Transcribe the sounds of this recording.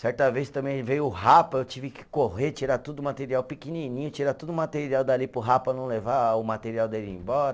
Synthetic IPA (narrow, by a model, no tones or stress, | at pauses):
sɛɾt̪ɐvest̪ɐ̃mẽj̃vejʊʊhapɐewt͡ʃivɪkɪ̥koɦet͡ʃiɾat̪ud̪ʊmat̪eɾiawpikininĩɲʊt͡ʃiɾat̪ud̪ʊmat̪eɾiawd̪alipɾʊɦapɐnɐ̃w̃levaʊmat̪eɾiawd̪elɪḛ̃j̃bɔɾɐ